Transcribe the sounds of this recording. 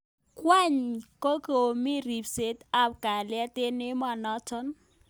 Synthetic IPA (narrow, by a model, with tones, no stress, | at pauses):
kwa˦ɲko˦ko˨o˨mi˦ɾi˨pse˦ta˦˨p̚ka˨la˦te˦ne˦ma˨nɔ˦tɔ˦n